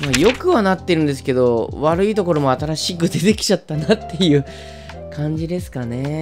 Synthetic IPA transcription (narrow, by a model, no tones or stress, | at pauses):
majo̞kɯ̟βanat̪ːe̞ɾɯ̟̃nd̪esɨ̥ke̞d̪o̞βaɾɯ̟it̪o̞ko̞ɾo̞mo̞at̪aɾaɕikɯ̟d̪e̞t̪e̞kʲi̥t͡ɕat̪ːanat̪ːe̞jɯ̟ː | kʰãɲ̟d͡ʑid̪e̞sɨ̥kane̞